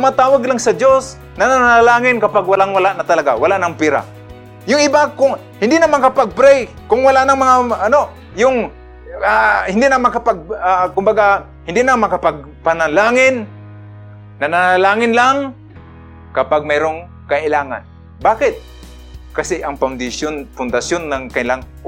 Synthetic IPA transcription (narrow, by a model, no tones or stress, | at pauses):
mat̪aːwaɡlaŋsɐd͡ʒos | nananaalaːŋɪnkɐpaɡwalaŋwalaʔnat̪ɐlaɡawalaʔnaŋpiɾa̰ | jʊŋɪbakʊŋ | hɪnd̪ɪnamakapaɡ̚pɾɛjkʊŋwalaʔnaŋmɐŋaʔːno | jʊŋ | ahɪnd̪ɪʔnamakapaɡ̚akʊmbaɡa | hɪnd̪ɪnamɐkapaɡ̚ | panalaːŋɪn | nːanaalaːŋɪnlaŋ | kɐpaɡ̚mɛɾoŋ | kaʔɪlaːŋa̰n | baːkɪt̪̚ | kasɪʔɐŋpand̪ɪsjonpʊnd̪asjonːaŋkanɪlaŋ